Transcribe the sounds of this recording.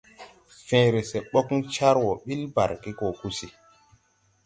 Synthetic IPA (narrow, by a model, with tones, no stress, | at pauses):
fẽː˨ɾe˨se˨ɓɔ˦kt͡ʃa˦ɾwɔ˨ɓi˦lba̰˨ɾki˦kɔ˨ku˦si˨